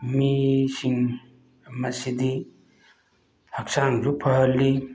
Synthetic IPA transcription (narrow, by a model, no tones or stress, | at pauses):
misiŋ | mɐsid̪i | hɐksaŋzupʰɐɦɐlːi